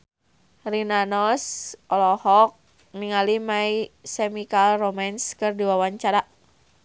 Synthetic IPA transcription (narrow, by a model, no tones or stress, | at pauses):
rinanɔsɔlɔhɔk̚ | niŋalimaisemikalromanskɨrdiwawaɲt͡ʃaɾa